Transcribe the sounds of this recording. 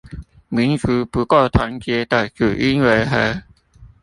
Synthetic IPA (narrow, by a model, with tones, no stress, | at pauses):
mi˨˦nt͡su˨˧˦pu˨˦ko˥˩t̪ʰwa˧˥˦nt͡ɕjɛ˧˥t̪a˨˩kju˨˩ʔi˦˥nwe˧˥ɦə˧˥